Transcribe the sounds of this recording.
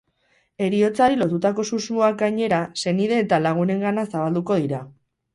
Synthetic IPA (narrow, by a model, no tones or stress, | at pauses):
e̞ɾio̞t͡saɾilo̞t̪ut̪ako̞suzmoak̚ɡajɲe̞ɾase̞niðe̞ːt̪alaɣ̞une̞ŋɡanasaβald̪uko̞ð̞iɾa